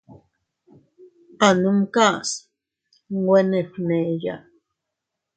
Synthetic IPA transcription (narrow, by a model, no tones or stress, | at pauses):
anumkas | ŋweneɸneja̰